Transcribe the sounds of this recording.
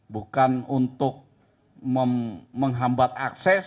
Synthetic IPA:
bukanunt̪ʊk̚ | məməŋɦambat̪aksɛs

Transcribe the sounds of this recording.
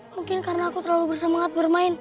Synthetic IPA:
muŋkɪnkaɾənaːkut̪ərlalubərsəmaŋat̪̚bərmaɪn

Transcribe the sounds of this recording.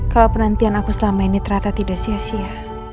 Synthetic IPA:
kalawpənant̪ianakusəlamainit̪əɾat̪at̪idaʔsiasia

